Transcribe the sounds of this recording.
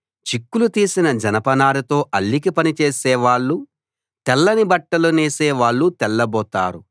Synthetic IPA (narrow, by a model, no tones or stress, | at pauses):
t͡ʃikːulut̪iːsinɐd͡ʒɐnɐpɐnaːlut̪o̞ːʔɐlːik̬ipɐnit͡ʃeːsɛːʋaːɭːu | t̪ɛlːɐnibɐʈːɐluneːseːʋaːɭːut̪ɛlːɐbɔːt̪a̰ːɾu